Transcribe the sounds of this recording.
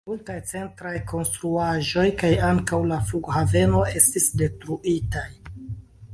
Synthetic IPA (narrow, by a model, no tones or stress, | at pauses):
multajt͡se̞ntɾajko̞nstɾuaʒo̞jkajaŋkawlafluɡhave̞no̞e̞stisde̞tɾuʔitaj